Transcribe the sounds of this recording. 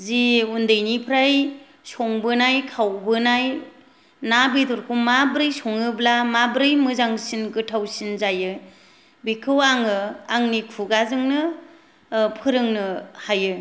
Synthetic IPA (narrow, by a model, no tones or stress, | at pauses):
ziundɯjnipʰɾaj | sɔŋbɯnajkʰawbɯnaj | nabidɔɾkʰumabɾɯjsɔŋɯblamabɾɯjmɯzaŋsinkɯtʰawsinzajɯ | bikʰɯwaŋɯaŋnikʰuɡazɯŋnɯ | pʰɯɾɯŋnɯhajɯ